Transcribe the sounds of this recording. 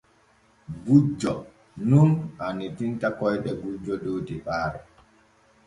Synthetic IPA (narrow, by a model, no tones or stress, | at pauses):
ɡud͡ʒːɔ | nunanitintakɔjɗɛɡud͡ʒːɔdoːtiɓaːɾɛ